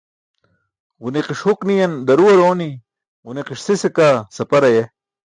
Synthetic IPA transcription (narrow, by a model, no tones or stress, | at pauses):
wuneqiʂhuknijɐnd̪ɐɾuwɐɾoːni | uneqiʂsisekasɐpɐɾɐje